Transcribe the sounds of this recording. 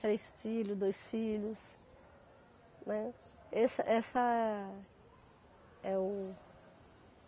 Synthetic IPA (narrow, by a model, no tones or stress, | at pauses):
ɾejst͡ʃilʊd̪ojsfilʊs | nɛ | ɛsɐ̰ʔɛsɐɛ | ɛʊ